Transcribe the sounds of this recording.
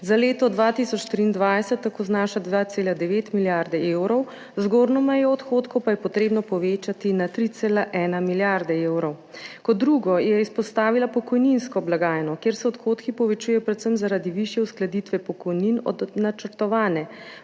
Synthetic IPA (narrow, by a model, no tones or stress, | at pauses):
zaleːt̪ɔd̪ʋat̪isɔt͡ʃt̪ɾiːnd̪ʋajsɛt̪ːakoːznaːʃad̪ʋaːt̪seːlad̪ɛʋeːt̪miljaɾd̪ɛewɾɔw | zɡoːɾnɔmɛjɔɔt̪xoːt̪kɔwpajɛpɔt̪ɾeːbnɔpɔʋeːt͡ʃat̪inat̪ɾit̪seːlaʔɛːnamiljaɾd̪ɛewɾɔw | kɔd̪ːɾuːɡɔjɛispɔst̪aːʋilapɔkɔjninskɔblaɡaːjnɔkeːɾsɛɔt̪xoːt̪kipɔʋɛt͡ʃujɛjɔpɾɛt̪səmzaɾad̪iʋiʃjɛusklad̪it̪ʋɛpɔkɔjninɔ̰d̪nat͡ʃəɾt̪ɔʋaːnɛ